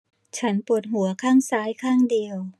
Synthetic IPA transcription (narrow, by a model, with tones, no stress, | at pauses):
t͡ɕʰa˦˥npu˨˩ə˩t̪̚ɦu˩˦ɐkʰaː˥˩ŋsaː˦˥jkʰaː˥˩ŋdi˧əw